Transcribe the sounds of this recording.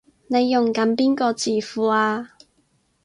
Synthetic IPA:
ne˨˧jːʊ˨˩ŋkɐ˨˥npiː˥nkɔː˧t͡siː˨˩fuː˨aː˧

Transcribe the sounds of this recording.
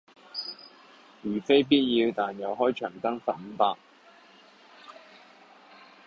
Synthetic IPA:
jyː˨˩fe˥jp̬iː˥t̚jiː˧wt̪aː˨njɐ˨wɦɔː˥jt͡ʃʰœː˨˩ŋt̪ɐ˥ŋfɐ˨t̚m̩˨˥paː˧k̚

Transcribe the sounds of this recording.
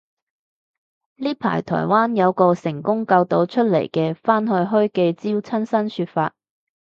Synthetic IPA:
liː˥pʰa̰ː˨˩jt̪ʰɔ̰ː˨˩jwaː˥njɐ˨˧wkɔː˧sɪ˨˩ŋkʊ˥ŋkɐ˧wt̪o˨˥wt͡ʃʰɵ˥t̚lḛ˨˩jkɛː˧faː˥nɦɵ˧ɥɦɵ˥ɥke˧jt͡siː˥wt͡sʰɐ˥nsɐ˥nsyː˧t̚faː˧t̚

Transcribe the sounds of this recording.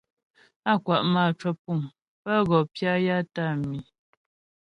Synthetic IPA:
a˦kwa˨ʔmaː˦˨t͡ʃwə˦pu˦˨m | pə˦ɣɔ˨pja˦ja˦ta˦˨mi˨

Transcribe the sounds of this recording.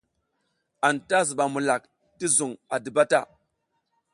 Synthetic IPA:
a˨nta˦zi˨ɓa˨mu˨la˨k | ti˦zu˨ŋa˨di˨ba˦ta˦˨

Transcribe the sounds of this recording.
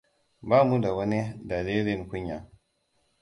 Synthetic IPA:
ba˦˨mu˦da˨wa˦ni˦da˨le˦li˦˨nku˦ɲːa˨

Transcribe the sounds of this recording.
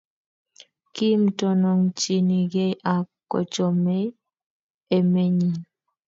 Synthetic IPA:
ki˦m̩˦tɔ˨nɔ˨ŋt͡ʃi˨ni˨ɡe˦ʔa˨kɔ̰˨t͡ʃɔ˨me˦ | e˨me˦ɲi˨

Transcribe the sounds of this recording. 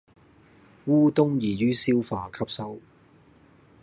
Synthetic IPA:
wuː˥t̪ʊ˥ŋjiː˨˩jyː˥siː˥wfaː˨˩kʰɐ˥p̚sɐ˥w

